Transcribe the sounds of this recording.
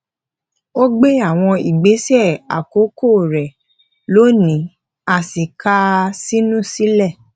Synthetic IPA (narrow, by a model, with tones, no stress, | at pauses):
o˦ɡ͡be˦a˦˨w̃ɔ̃˧i˨ɡ͡be˨˦sɛ˦˨a̰˨ko˨˦ko˦˨ɾɛ˨ | lo˨˦nĩ˨˦ | a˧˨si˨kʰa˦si˦nũ˦˨si˦lɛ˦˨